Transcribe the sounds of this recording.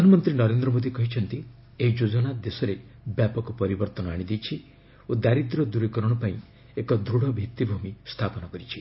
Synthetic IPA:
ɾɔdʱanɔmɔnt̪ɾinɔɾend̪ɾɔmod̪ikɔɦit͡ʃʰɔnt̪i | eɦid͡ʒod͡ʒɔñad̪esɔɾebjapɔkɔpɔɾibɔɾt̪ɔnɔaɽ̃id̪ijt͡ʃʰi | od̪aɾid̪ɾɔd̪uɾekɔɾɔɽ̃ɔpaĩ | ekɔd̪ɾuɽ̤ɔbʱik̚t̪ibʱumist̪ʰapɔnɔkɔɾit͡ʃʰi

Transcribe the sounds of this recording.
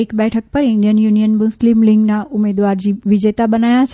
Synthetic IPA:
ɪkɓɛːʈʰək̚pɐɾɪ̃ndijənjuːnijənmʊslimlɪ̃ŋɡnãʊmeːd̪ʋaːɾd͡ʑiːʋɪd͡ʑeːt̪aɓɐnaːjas

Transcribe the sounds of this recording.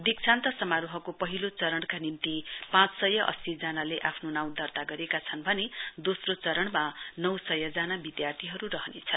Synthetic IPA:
d̪iksʰãnt̪ʌsʌmaɾuɦʌkopʌɦilot͡sʌɾʌɳkanimt̪ipãt͡ssʌjʌʔʌ̰sid͡zanaleʔapʰnonaw̃d̪ʌrt̪aɡʌɾekat͡sʰʌnbʱʌned̪osrot͡sʌɾʌɽmanʌwsʌjʌd͡zanabid̪jart̪ʰiɦʌɾurʌɦʌnḛt͡sʰʌn

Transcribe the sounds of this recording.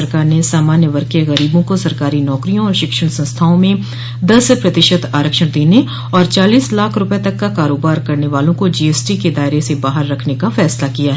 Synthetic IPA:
ɐɾkaːɾnesaːmaːnjəʋɐɾkeɣɐɾiːbõkosɐɾkaːɾinɔːkɾijõɔːɾʃɪkʃəɽ̃sɐ̃nst̪ʰaːõmẽ | d̪ɐspɾɐt̪ɪʃət̪aːɾəkʃəɽ̃d̪eːne | ɔːɾt͡ʃaːliːslaːkʰɾʊpet̪ɐkːakaːɾoːbaːɾkɐɾneʋaːlõkod͡ʒiːeːsʈiked̪aːɪɾesebaːɦəɾːɐkʰnekafɛːslakijaɦɛ

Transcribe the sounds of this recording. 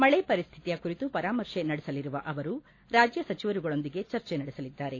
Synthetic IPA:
mɐɭepɐɾist̪ʰit̪ijɐkuɾit̪upɐɾaːmɐɾʂenɐɽɛsɐliɾuʋɐʔɐʋɐɾu | ɾaːd͡ʒjɐsɐt͡ʃiʋɐɾuɡɐɭo̞nd̪iɡe̞t͡ʃɐɾt͡ʃenɐɽesɐlid̪ːaːɾe̞

